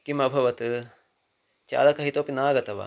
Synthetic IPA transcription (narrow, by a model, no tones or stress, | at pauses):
kimɐbʱɐʋɐt̪ɨ | t͡ʃa̰ːlɐkɐɦit̪oːpinaːɡɐt̪ɐʋa̰